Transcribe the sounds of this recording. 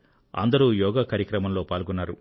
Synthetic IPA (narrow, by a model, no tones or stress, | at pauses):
ɐ̰nd̪ɐɾuːjɔːɡaːkaːɾjɐkɾɐmɐmlo̞ːpaːlɡɔnːaːɾṵ